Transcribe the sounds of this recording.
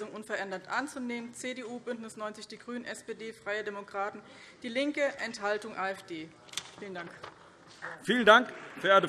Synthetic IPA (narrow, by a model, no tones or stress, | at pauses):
zʊŋʔʊnfɛɐʔɛndɐtʔant͡suneːmənt͡seːdeːuːbʏntnɪsnɔʏnt͡sɪçd̥iːɡʁyːnənʔɛspeːdeːfʁ̥aɪədemokʁ̥aːtn̩ | d̥iːlɪŋkəʔɛnthaltʊŋʔaːɛfd̥eː | fiːləndaŋk | fiːləndaŋkfeɐdə